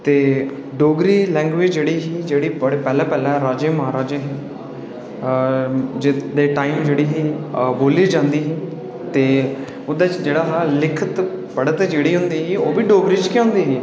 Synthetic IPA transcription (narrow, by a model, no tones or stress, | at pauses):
t̪eː | ɖoːɡɾiːlɛ̃ːŋɡʋɪd͡ʒd͡ʒeːɽiːɦiːd͡ʒeːɽiːpəɽpɛːlɛːpɛːlɛɾaːd͡ʒeːməɦaːɾaːd͡ʒeːɦɛː | d͡ʒɪd̪eːʈaːimd͡ʒeːɽiːɦiːboːliːd͡ʒãːnd̪iːɦiː | t̪eː | ʊd̪at͡ʃd͡ʒeːɽaːɦaːlɪkʰət̪ | pəɽət̪d͡ʒeːɽiːɦʊ̃nd̪iːɦiːoːʋiːɖoːɡɾiːt͡ʃkɪõːnd̪iːɦiː